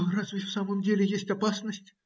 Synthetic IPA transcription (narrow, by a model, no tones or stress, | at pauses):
razvʲɪfsaməmdʲelʲɪjesʲtʲɐpasnəsʲtʲ